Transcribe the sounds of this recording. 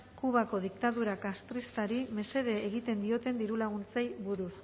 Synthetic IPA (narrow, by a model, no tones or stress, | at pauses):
kuβ̞ako̞ð̞ikt̪aðuɾakast̪ɾist̪aɾime̞se̞ðeːɣit̪e̞nd̪io̞t̪e̞nd̪iɾulaɣunt͡sajβuɾus